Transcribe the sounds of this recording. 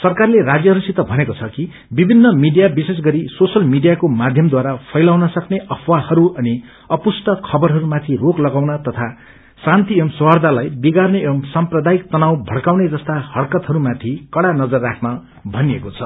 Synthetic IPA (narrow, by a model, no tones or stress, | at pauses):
sʌrkarleɾad͡zjʌɦʌɾusit̪ʌbʱʌnekot͡sʰʌki | bibʱinːʌmiɖijabises̬ɡʌɾisosʌlmiɖijakomad̪ʱjʌmd̪waɾapʰʌjlawnʌsʌkneʔʌpʰwahʌɾuʔʌni | ʌpusʈʌkʰʌbʌɾɦʌɾumat̪ʰiroklʌɡawnʌt̪ʌt̪ʰa | sãnt̪imswʌrd̪ʱalajbiɡarneemsamprʌd̪ajik̚t̪ʌnawbʱʌɽkawned͡zʌst̪ahʌɽkʌt̪ɦʌɾumat̪ʰikʌɽanʌd͡zʌrːakʰnʌ | bʱʌniekot͡sʰʌ